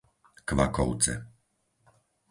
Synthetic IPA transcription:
kʋa̰kɔ̰ʊt͡sɛ̰

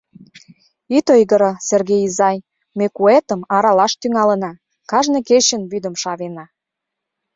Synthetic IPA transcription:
it̪ojɣəɾəserɣejizɑj | mekuet̪əmɑɾɑlɑʃt̪yŋɑlə̆nɑ | kɑʒneket͡ɕənβyd̪ə̆mʃɑβenɑ

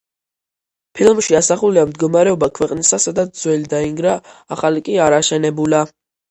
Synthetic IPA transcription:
pʰilˠmʃiasaχuliamd̪ɡɔmaɾɛɔbakʰwɛqʼnisasad̪at̪ʰd̪zwɛlid̪aiŋɡɾaːχalikʼiaɾaʃɛnɛbula

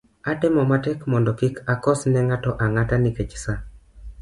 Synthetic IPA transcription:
atɪmɔmatɛkmɔndɔkikakɔsnɛŋatɔʔaŋataniket͡ʃsa

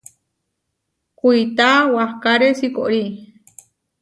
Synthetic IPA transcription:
kʷuit̪awahkaɾesiko̰ʔɾi

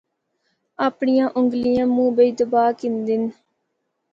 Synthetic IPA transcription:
aːpɳijãːʔʊŋɡlijãːmũːbəiːd̪əbaːkɪnd̪ɪn

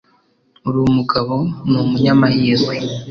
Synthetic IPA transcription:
uɾumuɡaβo̞numuɲamahiːze

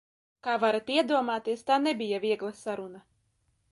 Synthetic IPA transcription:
kaːvaɾat̪iɛd̪uɔmaːt̪iɛst̪aːnɛbʲijavʲiɛɡlˠasaɾuna

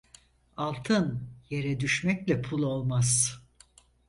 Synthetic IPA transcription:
alˠt̪ʰɯnje̞ɾɛd̪yʃmɛclʲɛpʰulˠo̞lˠmaz̥

